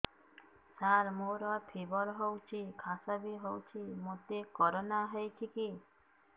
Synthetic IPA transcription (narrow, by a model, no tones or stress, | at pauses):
saɾmoɾɔpʰibɔɾɦowt͡ʃʰikʰasabiɦowt͡ʃʰimot̪ekɔɾonaɦejkʰiki